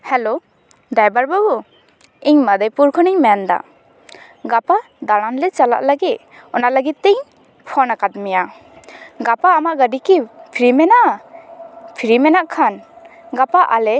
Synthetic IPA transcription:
hɛlo | d̪ajbaɾbabɔ | iɲmad̪əjpuɾkʰɔniŋmɛnd̪a̰ | ɡapa | d̪aɽ̃anlɛt͡ʃala̰ʔlaɡit̪̚ | ɔnaʔlaɡit̪̚ːiɲ | pʰɔnakat̪̚mija | ɡapaːmaʔɡaɖikipʰiɾimɛnaʔ | pʰiɾimɛnaʔkʰanɡapaʔalɛ

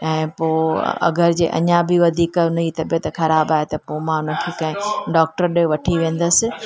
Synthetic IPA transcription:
ɛ̃ːpo̰ːɐ̰ɡəɾɪd͡ʑḛːʔɐ̰ɲãbɪʋɐd̪ʱiːkʊnɐit̪ɐbet̪ɐxɐɾaːbaːɦet̪ɐpoːmãʊnəkʰekãːɦɪ̃ɖɔːk̚ʈəɾɗʋɐʈʰiʋẽːn̆d̪əsɪ̆

